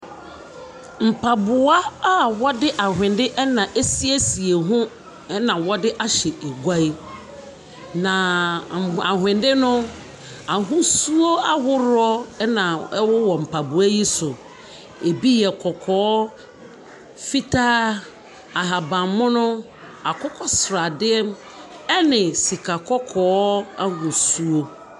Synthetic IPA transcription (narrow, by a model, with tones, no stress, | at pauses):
m̩˨pʰa˨bʊ˨a˦a˦˨wɔ˦dɪ˦ʔa˨ɦɪ̃˨ndɪ˦ʔɛ˦nã˨ʔe˦si˦e˦si˨e˨ɦʊ̃˦ | ɛ˦nã˨wɔ˦dɪ˦ʔa˦ɕɛ˨ʔe˨ɡʷa˦i˦ | nã˨ | a˨ɦɪ̃˨ndɪ˦nʊ̃˦ | a˨ɦʊ̃˦su˦o˦a˦ɦʊ˦ɾʊ˦ɔ˦nã˨ɛ˦wʊ˦wɔ˨m̩˨pʰa˨bu˨a˦ji˦sʊ˨ | e˨bi˦jɛ˨kʰɔ˨kʰɔː˦ | fi˦tʰaː˦ | a˨ɦa˨bã˨mmːʊ̃˦nʊ̃˦ | a˨kʰɔ˦kʰɔ˦sɾa˨dɪ˦ɛ˦m | ɛ˦nɪ̃˨si˨kʰa˨kʰɔ˦kʰɔ˨˦a˦ɦʊ̃˨su˦o˦